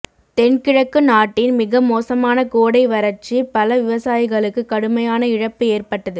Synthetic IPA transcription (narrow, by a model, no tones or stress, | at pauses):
t̪ɛnkɪɻɐkːɯnaːʈːɪnmɪɣɐmoːsɐmaːnɐkoːɽɐɪʋɐɾɐɾt͡ʃipɐlɐʋɪʋɐsaːjɪɣɐɭɯkːɯkːɐɽɯmɐjaːnɐɪɻɐpːɯeːrpɐʈːɐðɯ